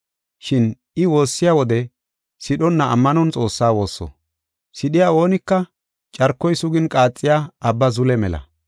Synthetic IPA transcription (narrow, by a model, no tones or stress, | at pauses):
ʃɪn | ɪwo̞ːsːɪjaːwɔd̪ɛ | sɪɗɔnːɐʔɐ̰mːɐnɔnt͡sʼo̞ːsːaːwo̞ːsːɔ̰ | sɪɗɪjaːo̞ːnɪkːɐ | t͡ʃʼɐɾkːɔjsʊɡɪnkʼaːt͡sʼːɪjaːɐbːɐzʊlɛmɛlɐ̰